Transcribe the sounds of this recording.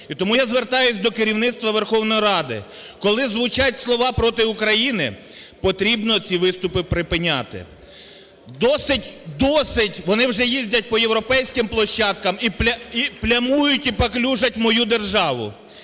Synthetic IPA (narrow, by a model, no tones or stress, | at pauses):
it̪ɔmujazʋert̪ɑjʊsʲd̪ɔkɪɾʲiwnɪt̪st̪ʋɐʋerxɔwnɔjiɾɑd̪ɪ̰ | kɔlˠɪzʋʊt͡ʃatʲslˠɔʋɑpɾɔt̪ɪʊkɾɐjinɪpɔt̪ɾʲibnɔt͡sʲiʋɪst̪ʊpɪpɾɪpɪnʲa̰t̪ɪ̰ | d̪ɔsɪtʲd̪ɔsɪtʲʋɔnɪwʒɛjizʲdʲɐt̚ʲpɔjewɾɔpɛjsʲkɪmplˠɔʃːɑd̪̚kɐmipʲɐiplʲɐmujʊtʲipɐklʲuʒɐtʲmɔjud̪erʒɑʋʊ̰